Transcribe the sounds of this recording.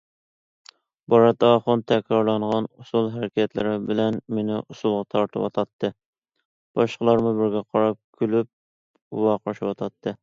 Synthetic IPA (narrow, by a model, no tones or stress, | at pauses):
bɑɾɑt̪ɑχʊnt̪ʰɛkʲɾɑɾlˠɑɴʁɑnusulˠɦɛɾɪkʲɛt̪lɪ̰ɾɪbɪlɛnmenɪʔusulˠʁɑt̪ʰɑɾt̪ʰɨwɑ̰t̪ʰɑt̪ʰːɨ | b̥ɑʃqəlˠɑɾmubɪɾɡʲɛqʰɑɾɑp̚kʲʰylyp̚ | wɑqɑʃiwɑt̪ʰɑt̪ʰːɨ